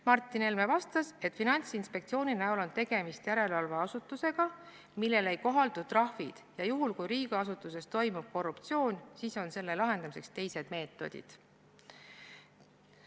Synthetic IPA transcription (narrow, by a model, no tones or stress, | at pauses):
mɑrt̪ːˑine̞lmevɑst̪ɑse̞t̪ˑfinɑnʲt̪sinspe̞k̚t̪sio̞ːninæolo̞nt̪e̞ɡ̥e̞mist̪jæɾe̞lvɑlveɑsut̪ːˑuse̞ɡ̥ɑ | milːe̞le̞jko̞ɦɑld̪ut̪ːˑrɑhvid̪̥jɑjuɦulkujɾiːɡ̥ɑɑsut̪ːˑuse̞st̪o̞jmub̥̚ko̞rːupt̪sio̞ːnʲsiːso̞nse̞lːe̞lɑɦe̞nd̪ɑmise̞kst̪e̞jse̞d̪̥me̞ːt̪ːˑo̞̰d̪̥ḭd̪̥